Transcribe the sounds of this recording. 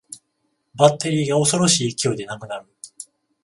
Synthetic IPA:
bat̪ːe̞ɾʲiːɡao̞so̞ɾo̞ɕiːkʲio̞d̪e̞nakɯ̟naɾɯ̟

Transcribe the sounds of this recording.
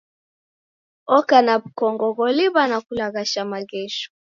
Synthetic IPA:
ɔkanabukɔŋɡɔɣɔliβanakulaɣaʃamaɣɛʃɔ̥

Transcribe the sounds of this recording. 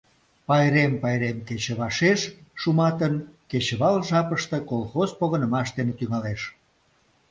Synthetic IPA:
pɑjɾempɑjɾemket͡ɕəβɑʃeʃːumɑt̪ənket͡ɕəβɑlʒɑpəʃt̪ekolxozpoɣənəmɑʃd̪enet̪yŋɑleʃ

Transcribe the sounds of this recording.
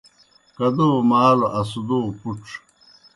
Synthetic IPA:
kɐd̪oːmaːloʔɐsd̪oːpuʈ͡ʂ

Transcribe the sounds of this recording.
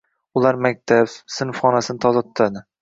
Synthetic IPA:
ʊlaɾmak̚ʲt̪ʰabsɪnfχɒnasɪnɪt̪ʰɒzat̪ʰʊ̥t̪ʰad̪ɪ

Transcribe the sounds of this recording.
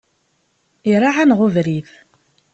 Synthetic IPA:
iɾˤaʕanʁʊvɾiθ

